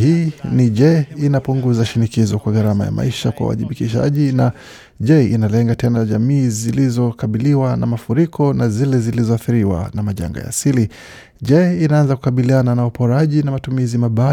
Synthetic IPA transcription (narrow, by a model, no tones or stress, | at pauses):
hiːniʄɛinapuŋɡuzaʃinikizɔkwaɣaɾama̰ja̰mʔa̰iʃakwa̰wa̰ðiɓikiʃa̰ʄina | ʄɛḭnalɛŋɡatɛnaʄamiːzilizɔkaɓiliwanamafuɾikɔnazilɛzilizɔaθiɾiwa̰namaʄa̰ŋɡa̰ja̰ːsili | ʄɛinaanzaku̥kaɓiliananaupɔɾaʄinamatumizimaɓa